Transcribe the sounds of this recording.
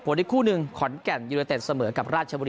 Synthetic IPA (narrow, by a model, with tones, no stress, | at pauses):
pʰo˩˦nʔe˧˩kʰuː˥˩nɯ˧ŋkʰɔ˨˩˦nkɛ˨˩njuː˧leː˧t̪eː˨˩t̪̚sa˧mɤː˩˦˥ka˨˩p̚ɾaː˥˩t͡ɕʰa˧bu˧